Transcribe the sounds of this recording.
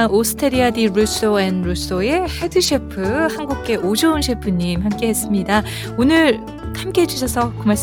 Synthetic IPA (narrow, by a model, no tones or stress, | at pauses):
osʰɯ̥tʰeɾiadiɾus͈oenɾus͈oe̞he̞dɯɕʰepʰɯhanɡuk̚k͈e̞ʔod͡ʑounɕʰepʰɯɲːimhamk͈e̞ɦe̞s͈ɯmɲida | onɯɭ | hamk͈eɦed͡ʑuɕʰʌsʰʌkɯmaɭs͈